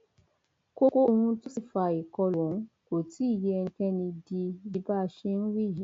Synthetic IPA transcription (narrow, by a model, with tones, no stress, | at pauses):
ko˦ko˦o˧hũ˧tũ˦si˦˨fa˨i˨kɔ˧lɔ̃˨˦ | ko˨ti˦i˦˨je˨˦ɛ˧ŋ̩˧˦kɛ̃˦nĩ˧di˧di˧ba˦˧ʃe˧n̩˦wi˦˨ji˨˦